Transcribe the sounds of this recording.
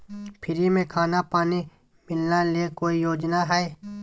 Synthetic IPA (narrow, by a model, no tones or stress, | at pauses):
pʰɪɾimẽkʰaːnapaːni | mɪlnaliekoːijoːd͡ʒnaɦɛe